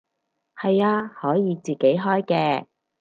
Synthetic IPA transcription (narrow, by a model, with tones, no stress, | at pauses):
hɐ˨jaː˧hɔː˨˥jiː˨˧t͡siː˨ke˨˥jɦɔː˥jkɛː˧